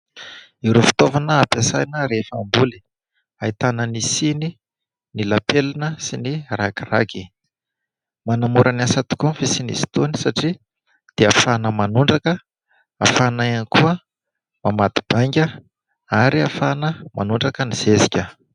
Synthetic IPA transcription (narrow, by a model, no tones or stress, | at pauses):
iɾufi̥t̪ovanəapasajnəɾefambuli̥ | ait̪anənisini | nilapelinəsinirakira̰ɡi | manamuɾʔəniasat̪u̥kunfisinḭsi̥t̪onisaʈ͡ʂi | d̪̥eafanəmanuɳɖ͡ʐakə | afanajanikuə | mamat̪i̥b̥aŋɡʲə | aɾiafanəma̰nuɳɖ͡ʐakəniz̥ezikʲə